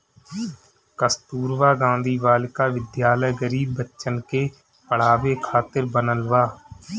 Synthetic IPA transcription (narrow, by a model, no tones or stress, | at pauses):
kəst̪uːɾʋaːɡãːnd̪ʱiːʋaːlɪkaːʋɪd̪jaːləjɡəɾiːbːətːʃənkeː | pəɽ̤aːʋeːkʰaːt̪ɪɾbənəlʋaː